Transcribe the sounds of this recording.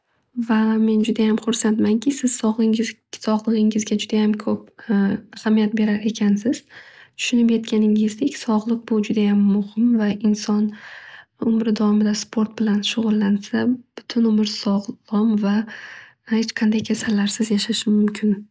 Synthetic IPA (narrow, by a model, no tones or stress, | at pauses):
vame̞nd͡ʒʊd̪ajamqʰʊɾsat̪maŋkʲɪsɪz̥sɒʁlˠɪ | sɒʁlˠɨʁɪŋɪzɡʲad͡ʒʊd̪ajamkʰɵp̚ahamijat̪̚be̞ɾaɾe̞kʲʰansɪz̥t̪ʰʊ̥ʃʊnɪpjet̪kʲʰanɪŋɪzd̪e̞kʲsɒʁlˠɨq̚bʊd͡ʒʊd̪ajamːʊhɪmvaɪnsɒn | ʊmɾɪd̪avmɪd̪aspʰo̞ɾt̪̚bɪlanʃʊʁʊlˠːansab̥ʊt̪ʰʊnʊmɪɾsɒʁlˠɒmva | het͡ʃqʰɑnd̪ajkʲʰesalːaɾsɪzjaʃaʃɪmmʊmkʲʰɪn